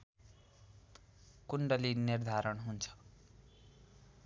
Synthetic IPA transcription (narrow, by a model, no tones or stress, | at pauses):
kuɳɖʌlinird̪ʱaɾʌnɦunt͡sʰʌ̥